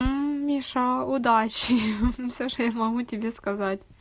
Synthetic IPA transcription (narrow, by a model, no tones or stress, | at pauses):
mʲiʂəʊd̪at͡ɕɪfsʲoʂojamɐɣutʲɪbʲeskɐzatʲ